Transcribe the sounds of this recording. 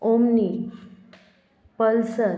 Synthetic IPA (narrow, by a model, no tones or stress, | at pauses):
omni | pəlsə